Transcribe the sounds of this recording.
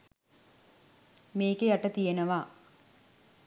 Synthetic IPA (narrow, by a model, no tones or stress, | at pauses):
meːkejaʈɐt̪ijenɐʋa